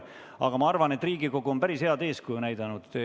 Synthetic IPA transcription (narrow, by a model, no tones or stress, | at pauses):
ɑɡ̥ɑmɑɑrvɑne̞t̪ːˑriːɡ̥iko̞ɡ̥uonpæɾishe̞ɑd̪e̞ːskujunæjd̪̥ɑnud̪̥